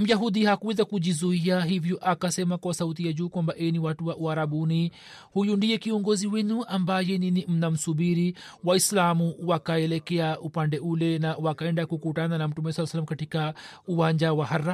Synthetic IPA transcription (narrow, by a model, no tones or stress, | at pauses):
m̩jaɦud̪ihakuɛðakud͡ʒizuiaɦivjɔʔakasɛmakwasaut̪̬iad͡ʒuːkwambaʔɛniwatuwaʔuaɾabuni | hujundijɛkiɔŋɡɔziwɛnuʔambajɛninim̩nam̩subiɾi | waislamuwakaɛlɛkɛaupandɛulɛnawakaɛndakukutananam̩tumɛsalːsalːamkatikauwaɲd͡ʒawaɦarːa